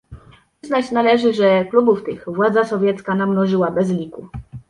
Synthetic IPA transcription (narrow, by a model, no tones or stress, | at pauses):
znat͡ɕnalɛʐɘʐɛklubuft̪ɘxvwad̪zasɔvʲjɛt̪skanamnɔʐɘwabɛzlʲiku